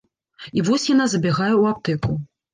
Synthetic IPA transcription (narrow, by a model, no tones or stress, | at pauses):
ivɔsʲjanazɐbʲɛɣajɛwapt̪ɛku